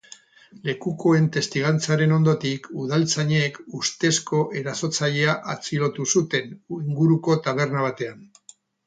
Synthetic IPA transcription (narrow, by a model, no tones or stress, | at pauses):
le̞kuko̞e̞nt̪e̞st̪iɣant͡saɾe̞no̞nd̪o̞t̪ikuðalt͡saɲeːkust̪e̞sko̞ʔe̞ɾaso̞t͡saʎe̞aʔat͡siɾo̞t̪usut̪e̞niŋɡuɾuko̞t̪aβ̞e̞rnaβ̞at̪e̞an